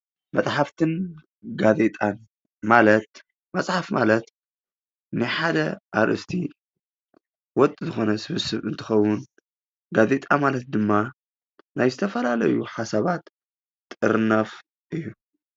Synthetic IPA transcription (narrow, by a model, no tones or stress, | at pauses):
mɐt͡sʼħaft̪ʰɨn | ɡaze̞t̪ʼan | malɐt̪ | mɐsʼħafmalɐt̪ | nɨħad̪ɐʔaɾʔɨ̰st̪ʰi | wɔt̪ʼɨzɨxo̞nɐsɨβɨsɨβɨnt̪ʰɨ̥xɐwːʊn | ɡazet̪ʼamalɐt̪̚d̪ɨmːa | najzɨt̪ʰɐfɐlalɐ̰juħasaβat̪ːʼ | ɨɾɨnaf | ʔɨjːu